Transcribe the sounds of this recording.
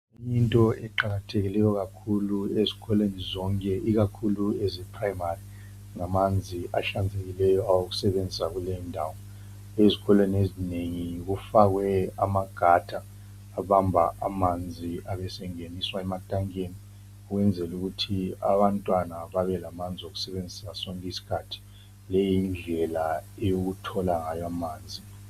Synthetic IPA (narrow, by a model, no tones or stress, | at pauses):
jintʼɔɛǃaɣatʰeɣilɛjɔɣakʰuluezi̥ɣʰɔlwenizɔŋkʼɛʔiɣakʰuluɛzɛpʰrajimari | ŋamand͡zʱiʔaʃand͡zʱeɣilɛjɔawoɣ̬u̥sɛɓend͡zʱisaɣ̬ulɛɔndʱawɔ | ezikʰɔlweniezineŋik̬ufak̬wɛamaɡ̥ʱadʰʱʼaː | βambʱaʔa̰mand͡zʱiaβɛsɛŋeniswaɛmatʼaŋkʼeni | uɣwɛnd͡zʱɛluɣutʰia̰βantʼwanaβaβɛlamand͡zʱioɣu̥sɛβend͡zʱisasɔŋkʼɛisi̥kʰatʰi̥ | lɛjind͡ɮʱɛlaejoɣutʰɔlaŋajamaːnd͡zʱi